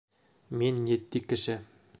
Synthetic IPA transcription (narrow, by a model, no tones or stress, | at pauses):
minjɘ̆t̪ːikɘ̆ʃɘ